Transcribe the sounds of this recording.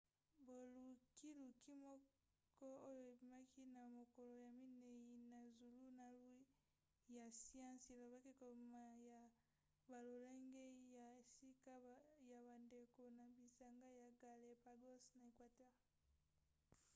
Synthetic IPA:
bo˨lu˨ki˦lu˨ki˦mɔ˦ | kɔ˦o˦jo˨e˨bi˨ma˦kʰi˦na˨mo˨ko˨lo˨ja˨mi˦ne˨ji˨na˨zu˨lu˦na˨lwi˦ | ja˨si˦ã˦se˨lo˨ba˦ki˦ko˨ma˨ja˨ | ba˨lo˨le˦ŋɡe˦ja˨e˨si˦ka˦ja˨ba˨nde˨ko˨na˨bi˨sa˨ŋɡa˦ja˨ɡa˨le˨pa˨ɡo˦sna˨e˨kwa˨tɛ˦ʁ

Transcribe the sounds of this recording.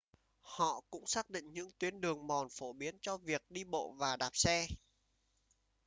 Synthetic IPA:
hɔ̰˧˨kʊ̰˧˥ŋ͡msaː˦˥k̚ɗḭ̈˧˨ŋ̟ɲɨ̰˧˥ŋt̪wi˨˦ənɗɨ˨˩əŋmɔ˨˩nfo˧˩ɓi˨˦ənt͡ɕɔ˧vi˨˩ək̚ɗi˧ɓo̰˧˨vaː˨˩ɗaː˨˩p̚sɛ˧

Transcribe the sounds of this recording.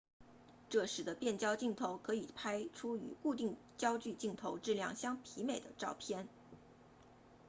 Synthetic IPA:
ʈ͡ʂɤ˥˩ʂɻ̩˧˥d̪ə˧pjɛ˥˩nt͡ɕjɑ˥ʊt͡ɕi˥˩ŋt̪ʰo˧˥ʊkʰɤ˧˥i˨˩pʰa˥ɪʈ͡ʂʰu˥y̰˧˥ku˥˧t̪̬i˥˧ŋt͡ɕjɑ˥ʊt͡ɕy˥˧t͡ɕi˥˩ŋt̪ʰo˧˥ʊʈ͡ʂɻ̩˥˧ljɑ̰˥˩ŋɕjɑ˥ŋpʰi˧˥me˨˩ɪd̪ə˦ʈ͡ʂɑ˥˩ʊpʰjɛ˥˧n

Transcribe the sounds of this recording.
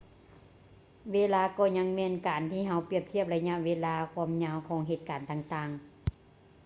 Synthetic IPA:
weː˧˥laː˧kɔː˧˩ɲa˧˥ŋmɛː˧˥nkaː˨˩nt̪ʰiː˧˩ɦa˧˥wpi˧˩əp̚t̪ʰi˧˩əp̚la˧ɲa˧˨ʔʋeː˧laː˧kʰwu˧˨mɲaː˧wkʰɔː˧˥ŋɦeː˧˩t̪̚kaː˨˩nt̪aː˧˩ŋt̪aː˧˩ŋ

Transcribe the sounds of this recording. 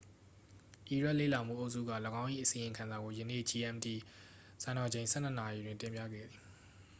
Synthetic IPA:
ʔi˨ɹɛ˦ʔlḛ˦˨la˨m̥ṵ˦˨ʔo˦ʊʔsṵ˦˨ɡä̰˦˨ləɡã˦ʊ̃ʔḭ˦˨ʔəsĩ˨jɪ̃˨ŋkʰã˨nza˨ɡo˨jə˨nḛ˦˨d͡ʑi˨ɛ̃˨mti˨ | sã˨nɔ˨d͡ʑẽ˨ɪ̃nsʰɛ̰˦˨n̥ə˨na˨ji˨dwɪ̃˦˨ntɪ̃˨mpja̰˦˨ɡɛ̰˦˨d̪ði˨

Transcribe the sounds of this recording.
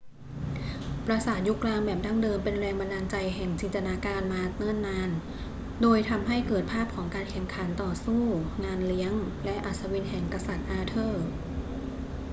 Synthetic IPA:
pɾa˧saː˨˩t̪̚ju˦˥klaː˧mbɛː˨˩p̚da˥˩ŋdɤː˧mpe˧nɾɛː˧ŋba˧naː˧nt͡ɕa˧jɦɛ˨˩ŋt͡ɕiː˧nt̪a˧naː˧kaː˧nmaː˧nɤ˥˨nːaː˧n | doː˧jt̪ʰa˧mɦa˥˩jkɤː˨˩t̪̚pʰaː˥˩p̚kʰɔː˩˦ŋkaː˧nkʰɛ˨˩˦mkʰa˩˦nt̪ɔː˨˩suː˥˩ŋaː˧nli˦˥əŋlɛ˦˥ʔa˨˩t̪̚sa˧wi˧nhɛ˨˩ŋkɾa˧sa˨˩t̪̚ʔaː˧t̪ʰɤː˥˩

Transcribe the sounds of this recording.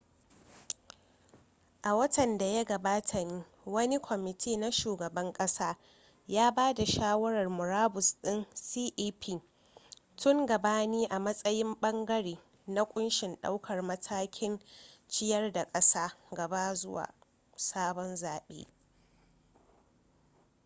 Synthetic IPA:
ʔa˨wɐ˦tʰɐ˨nda˨ja˦ɡɐ˨baː˦tʰa˨niː˦ | wɐ˦ni˦kʷʰɔ˨mɪ˨tʰeː˦na˦ʃuː˨ɡɐ˨bɐ˦ŋkʼɐ˦saː˦ | jaː˦baː˦da˨ʃaː˦wɐ˦ɾɐ˨rmʊ˨ɾaː˦bʊ˨sɗɪ˦nsiː˦ʔiː˦pʰiː˦ | tʊ˦ŋɡɐ˨baː˦niː˦ʔa˨mɐ˦sʼɐ˦jɪ˦mɓɐ˦ŋɡɐ˦ɽeː˨ | na˦kʷʼʊ˦nʃɪ˨nɗa̰˦wkʰɐ˨rmɐ˦tʰaː˦kʲʰɪ˦nt͡ʃɪ˦jɐ˦rda˨kʼɐ˦saː˦ɡɐ˨baː˦zʊ˦wa̰ː˨ | saː˦bɔ˦nzaː˨ɓḛː˦

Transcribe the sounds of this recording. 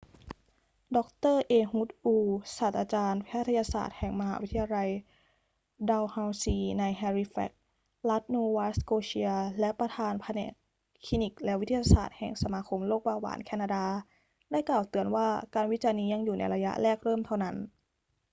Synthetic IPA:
dɔ˦˥k̚t̪ɤː˥˩ʔeː˧hu˦˥t̪̚ʔuː˧saː˨˩t̪̚ʔaː˧t͡ɕaː˧npʰɛː˦˥˩t̪ʰːa˧jaː˧sa̰ː˨˩t̪̚hɛ˨˩ŋma˧ɦa̰ː˩˦wi˦˥t̪ʰa˧ja˧la˧j | daː˧wha˧wsiː˧na˧jɦɛː˧ɾi˧˥fɛ̰˦˩k̚ | la˦˥t̪̚nuː˧waː˦˥skoː˧ɕi˧ɐlɛ˦˥pɾa˧t̪ʰaː˧npʰa˧nɛ̰ː˨˩kʰː | i˧˥ni˨˩k̚lɛ˦˥wi˦t̪ʰːja˧sa̰ː˨˩t̪̚hɛ˨˩ŋsa˧maː˧kʰo˧mloː˥˩k̚baː˧wa̰ː˩˦nkʰɛː˧˩naː˧daː˧ | daː˥˩jklaː˨˩wt̪ɯ˨˧ənwaː˥˩kaː˧nwi˦˥t͡ɕaː˧niː˧ja˧ŋjuː˨˩na̰˧jɾa˧ja̰˦˥ʔlɛː˥˩k̚ɾɤː˥˩mt̪ʰa˥˩wna˦˥n

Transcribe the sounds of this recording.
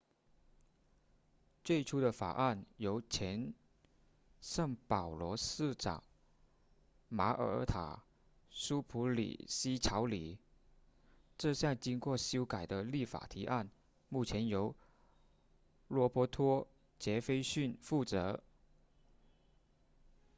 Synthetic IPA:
t͡swe˥˩ɪʈ͡ʂʰu˥d̪ə˨fa̰˨˩ʔa˥˩njo˧˥ʊt͡ɕʰjɛ˧˥n | ʂɤ˥˩ŋpɑ˨˩ʊlwɔ˧˥sɹ̩˥˩ʈ͡ʂɑ̰˨˩ŋ | ma˧˥ʔə̰˧˥t̪ʰa̰˨˩ | ʂu˥pʰu˧˥lḭ˨˩ɕi˥ʈ͡ʂʰɑ˧˥ʊli˨˩ | ʈ͡ʂɤ˥˧ɕjɑ˥˩ŋt͡ɕi˥ŋkwɔ˥˩ɕjo˥ʊka˨˩ɪd̪ə˦li˥˩fa̰˨˩t̪ʰi˧˥ʔa˥˧n | mu˥˩t͡ɕʰjɛ˧˥njo˧˥ʊ | lwɔ˧˥pwɔ˧˥t̪ʰwɔ˥ | t͡ɕjɛ˧˥fe˥ɪɕy˥˧nfu˥˩t͡sɤ˧˥

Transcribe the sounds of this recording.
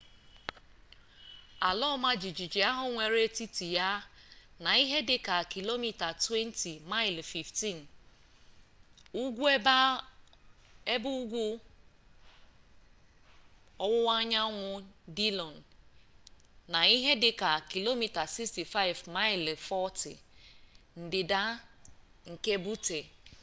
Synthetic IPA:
a˨lɔ˦ma˦d͡ʒi˨d͡ʒi˨d͡ʒi˨a˦ɦʊ˦ŋʷe˨ɾe˦ti˦ti˨ja˦na˨i˦ɦe˦dɪ˦ka˨ki˨lo˦mi˦ta˨twe˦n˦ti˨ma˦ɪ˨lfi˨fti˦˨n˨ | u˦ɡʷu˦e˦ba˦ | e˦bu˦ɡʷu˦ | ɔ˦wʊ˦wa˦ɲa˦ŋʷʊ˦di˦lɔ˨n | na˨i˦ɦe˦dɪ˦ka˨ki˨lo˦mi˨ta˨si˦ksti˨fa˦ɪ˨vma˦ɪ˨lfɔ˦tɪ̰˨ | n̩˨dɪ˨da˦ | ŋ̩˨ke˦bu˦te˨

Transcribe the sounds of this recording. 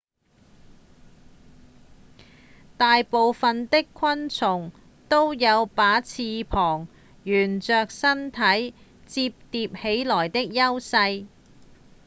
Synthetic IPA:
t̪aː˨jpo˨wfɐ˨nt̪ɪ˥kʰwɐ˥nt͡sʰʊ˨˩ŋ | t̪o˥wjɐ˨˧wpaː˨˥t͡sʰiː˧pʰɔː˨˩ŋ | jyː˨˩nt͡ʃœː˨k̚sɐ˥nt̪ʰɐ˨˥j | t͡siː˧p̚t̪iː˧p̚he˨˥jlɔː˨˩jt̪ɪ˥k̚jɐ˥wsɐ˧j

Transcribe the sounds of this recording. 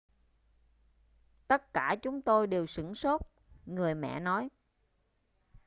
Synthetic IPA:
t̪ə˦˥t̚kaː˧˩t͡ɕʊ˨˦ŋ͡mt̪o˧jɗe˨˩wsɨ̰˧˥ŋso˦˥t̚ | ŋɨ˨˩əjmɛ̰˧˨nɔ˨˦j

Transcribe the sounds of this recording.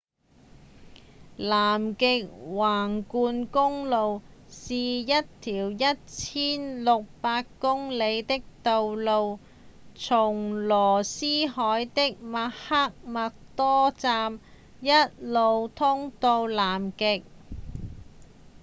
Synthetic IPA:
laː˨˩mkɪ˨˧k̚waː˨˩ŋkuː˧nkʊ˥ŋlo˨˧wsiː˨jɐ˥t̚t̪ʰiː˨˩wjɐ˥t̚t͡sʰiː˥nlʊ˨k̚paː˧kkːʊ˥ŋle˨˧jt̪ɪ˥k̚t̪o˨˧wlo˧w | t͡sʰʊ˨˩ŋlɔː˨˩siː˥hɔː˨˥jt̪ɪ˥k̚ma˧˥ha˥k̚mɐ˨k̚t̪ɔː˥t͡saː˧m | jɐ˥t̚lo˨˧wt̪ʰʊ˥ŋt̪o˧wlaː˨˩mkɪ˨˧k̚

